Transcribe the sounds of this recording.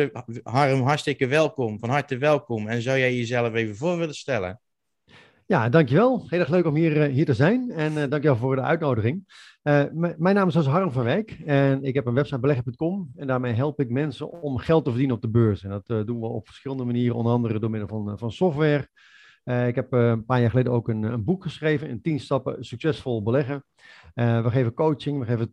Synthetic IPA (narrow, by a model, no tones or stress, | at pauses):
ɦarəmɦaɹstɪkəʋɛlˠkɔmfɔnɦɑɹtəʋɛlˠkɔmɛnzawjɛjjəzɛlˠəfeːvəvʊːrʋɪləstɛlˠə̰ | jadɑŋkjəʋɛlˠheːlˠɛːxløːkɔmɦiərɦiːətəzɛjnɛndɑŋkjəʋɛlˠvoːrdəœ̰ɥt̚nowdəɣɪŋ | əmɛjnːaːmɪsosɦɑrəmfɑnʋɛjkɛnɪkɦɛpənʋɛpsajt̚bəlɛxəpønt̚kɔmɛndaːɹmejɦɛlˠpɪk̚mɛnsəɔmχɛlˠtəvərdinənɔp̚dəbøːsɛndɔtdunʋəɔ̰pfə̥rsχɪlˠəndəmaniːɾəʔɔ̰ndərɑndərədoːmɪdəl̩ˠvnfɑnsɔftʋɛr | əɪkɦɛpənpaːjaːχəleːdəowkənənbukχəsχrejvənəntinstɑpə̰syksɛsfolˠbəlɛɣə | əʋəxeːvəkoːt͡ʃɪŋʋəxeːvənə